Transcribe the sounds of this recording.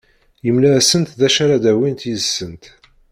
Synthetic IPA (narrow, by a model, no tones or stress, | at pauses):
jəmlæsənt̪ðæʃaɾad̪æwint̪jəzsːənt̪